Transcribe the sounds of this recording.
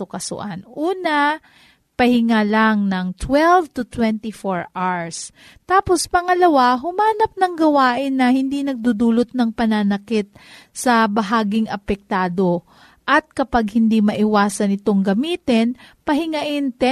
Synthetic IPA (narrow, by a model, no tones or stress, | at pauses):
ʊkɐsʊ̰ʔanʔuːnɐ | pɐhɪŋalɐŋnɐŋt̪wɛlvt̪ʊt̪wɛnt̪ɪfoɹʔaɹs | t̪aːpo̞spɐŋɐlɐwaɦʊmaːnɐp̚nɐŋɡɐwaːʔɪnːɐhɪnd̪inɐɡ̚d̪ud̪uːlot̪̚nɐŋpɐnanɐkɪt̪̚sɐbɐɦaːɡɪŋʔɐpɛk̚t̪aːd̪o̞ | ʔɐt̪̚kɐpaɡ̚hɪnd̪imɐʔɪwaːsɐnɪt̪o̞ŋɡɐmiːt̪ɪnpɐɦɪŋɐʔɪnt̪ɛ